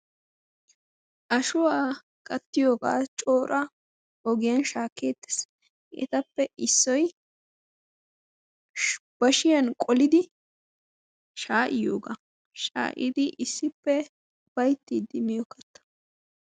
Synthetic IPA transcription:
ʔɐʃʊwaː | kʼɐt̪ːɪjoːɡa̰ːt͡ʃʼo̞ːɾɐ | ɔɡɪjɐnʃaːkːeːt̪ːɛ̥s | ʔɛ̰t̪ɐpːɛʔɪsːɔj | b̥ɐʃɪjɐnkʼɔlɪd̪ɪ | ʃaːʔɪjoːɡa | ʃa̰ːʔɪ̰d̪ɪʔɪsːɪpːɛ | b̥ɐjt̪ːid̪ɪmɪjɔkːɐt̪ːɐ̥

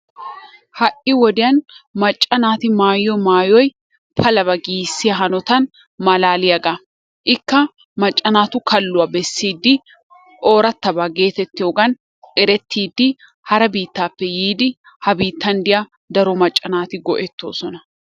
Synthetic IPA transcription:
hɐʔɪwɔd̪ɪjɐnmɐt͡ʃʼːɐnaːt̪ɪmaːjːɔmaːjɔj | pʰɐlɐbɐɡiːsːɪjɐɦɐnɔt̪ɐn | mɐlaːlɪjɐɡɐ | ʔɪkːɐ | mɐt͡ʃʼːɐnaːt̪ʊkɐlːʊwɐbɛsːiːd̪ːɪ | ʔo̞ːɾɐt̪ːɐbaɡe̞ːt̪ɛt̪ːɪjoːɡɐn | ɛɾɛt̪ːiːd̪ːɪ | hɐɾɐbiːt̪ːaːpːɛjiːd̪ɪ | hɐbiːt̪ːɐnd̪ɪja | d̪ɐɾɔmɐt͡ʃʼːɐnaːt̪ɪɡɔʔɛt̪ːo̞̰ːsɔnɐ

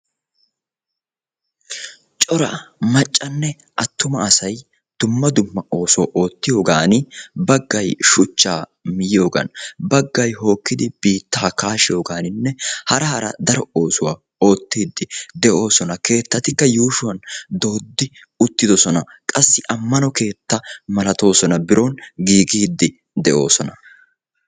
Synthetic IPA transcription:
t͡ʃʼɔɾɐmɐt͡ʃʼːɐnːɛ | ʔɐt̪ːʊmɐːsɐj | d̪̥ʊmːɐd̪ʊmːɐo̞ːsʊwa̰ʔo̞ːt̪ːɪjo̞ːɡaːnɪbɐɡːɐjʃʊt͡ʃːaːmɪjɪjo̞ːɡɐ̰nbɐɡːɐjɦo̞ːkːɪd̪ɪb̥iːt̪ːaːkaːʃɪjo̞ːɡaːnɪnːɛhɐɾɐhɐɾɐ̰d̪ɐɾɔo̞ːsʊwa | o̞ːt̪ːiːd̪ːɪd̪ɛʔo̞ːsɔnɐke̞ːt̪ːɐt̪ɪkːɐjuːʃʊwɐnd̪o̞ːd̪ːɪ | ʊt̪ːɪd̪ɔsɔnɐ | kʼɐsːɪʔɐmːɐnɔke̞ːt̪ːɐmɐlɐt̪o̞ːsɔnɐbɪɾo̞ːnɡiːɡiːd̪ːɪ | d̪ɛʔo̞ːsɔnɐ

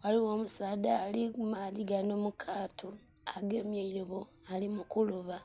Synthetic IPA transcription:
waliwoːmusaːdaːlimaðiɡanomukʰaːtʰo | aɡe̞ːmjeiloβo | alimukuluβa

